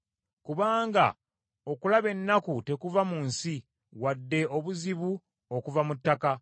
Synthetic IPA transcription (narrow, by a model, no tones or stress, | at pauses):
kuβaːŋɡa̰ | o̞kulaβe̞nːakute̞kuvamuːnsi | wadːe̞o̞βuziβu | okuvamutːaka